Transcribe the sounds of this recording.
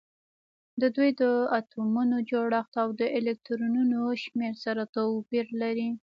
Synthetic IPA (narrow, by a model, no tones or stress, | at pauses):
d̪əd̪ujd̪əat̪umunod͡ʒoɽaxt̪awd̪əʔelek̚t̪ɾununoʃmeɾsaɾat̪awpiɾlaɾi